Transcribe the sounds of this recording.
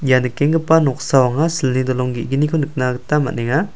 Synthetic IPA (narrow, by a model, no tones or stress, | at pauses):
janɯkeŋɡɯpanɔk̚sawaŋasilnidɔlɔŋɡiːɡinikʰɔnɯk̚naɡɯtama̰ʔneŋa